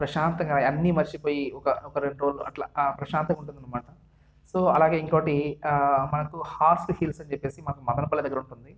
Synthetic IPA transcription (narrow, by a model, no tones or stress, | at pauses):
pɾɐʃaːnt̪ɐŋɡaːɐnːimɐɾʃipo̞ːjiɔkɐɔkɐɾeɳʈɾoːluɐ̰ʈla̰pɾɐʃaːnt̪ɐŋuɳʈund̪inimːaːʈɐ | so̞ːɐlaːɡeːiŋkoːʈi | mɐnɐkuhaːsʈhilsɐɲt͡ʃepːe̞ːsimɐnɐkumɐd̪ɐnɐpɐlːɐd̪ɐɡːɐɾuɳʈund̪i